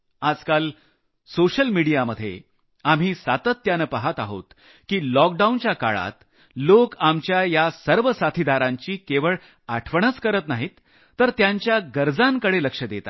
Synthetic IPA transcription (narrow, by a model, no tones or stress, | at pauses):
ad͡zkal | soɕəlmiɽijaməd̪ʱːjḛ | am̤iːsat̪ət̪ːjanəpaɦət̪a̰ɦo̰t̪ | kiːlɔk̚ɖaunt͡ɕjaka̰ɭa̰t̪ | lokamt͡ɕjajasəɾʋəsat̪ʰid̪aɾãɲt͡ɕiːkeʋəɭ | aʈʰʋəɳ̃ət͡skəɾət̪naɦiːt̪ː | əɾt̪jaɲt͡ɕjaɡəɾd͡zãŋkəɽeləkʂəd̪et̪a̰